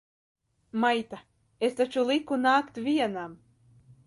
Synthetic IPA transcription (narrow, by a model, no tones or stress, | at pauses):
majt̪a | est̪at͡ʃulˠikunaːkt̪vʲiɛnam